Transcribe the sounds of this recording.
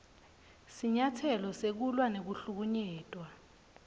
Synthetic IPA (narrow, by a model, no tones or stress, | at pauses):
siɲatʰɛlɔsek̬ulwanek̬uɬuk̬uɲɛːtʼwa